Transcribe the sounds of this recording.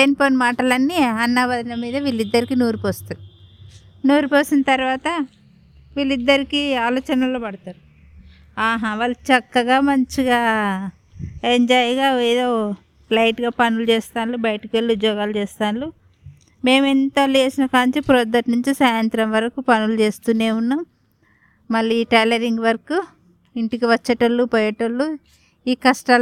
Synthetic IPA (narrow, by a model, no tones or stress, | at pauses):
eːnipoːnɐmaːʈɐlɐnːiɐnːaːʋɐd̪inɐmiːd̪ɐʋiːlid̪ːɐɾikinuːɾupoːst̪u | nuːɾupoːsinɐt̪ɐɾʋaːt̪ɐ | ʋiːlid̪ːɐɾikiaːlɔːt͡ʃɐnɐlo̞ːpɐɽɐt̪aːɾu | aːɦaːʋaːlːt͡ʃɐkːɐɡaːmɐɲt͡ʃiɡaː | eɲd͡ʒajɡaːɛːd̪o̞ː | lɐjʈɡaːpɐnulut͡ʃeːst̪aːnlubɐjʈɐkʋelːiud̪jɔːɡaːlut͡ʃɛːst̪aːnlu | me̞ːment̪ɐlt͡ʃeːsinɐkaːnit͡ʃipɾod̪ɐʈnuɲt͡ʃisaːjɐnt̪ɾɐmʋɐɾɐkupɐnulut͡ʃe̞ːst̪uːne̞ːunːam | mɐlːiiːʈɐlɐɾiŋɡʋɐɾɐku | iɳʈikiʋɐt͡ʃːɐʈɐlːupɔːjɐʈɐlːu | iːkɐsʈa